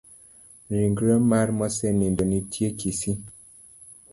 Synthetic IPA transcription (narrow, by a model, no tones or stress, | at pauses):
ɾiŋɡɾəmaɾmɔsɛnindɔnitʰjekʰisi